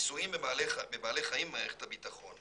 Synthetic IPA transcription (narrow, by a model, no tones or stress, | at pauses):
suimealemebaːleχaimːaːeχe̥thabitaχon